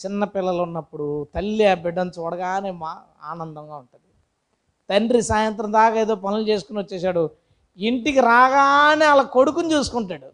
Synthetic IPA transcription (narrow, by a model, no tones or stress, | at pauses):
t͡ʃɪnːɐpɪlːɐlunːɐpːuɽut̪ɐlːijɐbɛɖɐnsɔɽɐɡaːɐne̞ːma | a̰ːnɐnd̪ɐŋɡaːuɳʈund̪i | t̪ɐnɖɾisaːjɐnt̪̬ɾɐmd̪aːkaːeːd̪o̞ːp̬ɐnilut͡ʃe̞ːsu̥kuniʋɐt͡ʃːɛːsaːɽu | iɳʈikiɾaːɡaːɐneːɐlɐːkoɽukunt͡ʃuːsu̥kuɳʈaːɽu